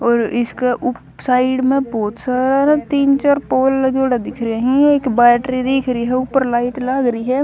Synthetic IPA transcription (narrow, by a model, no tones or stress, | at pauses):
ɔːɾɪskeʔʊ | saːɪɖmẽbɔːt̪saːɾanɛt̪iːnt͡ʃaːɾpoːlɐd͡ʒoːɽad̪ɪkʰɾeɦĩeːkbɛːʈɾid̪ɪkʰɾəiɦɛʊpəɾlaːɪʈlaɡɾəiɦɛː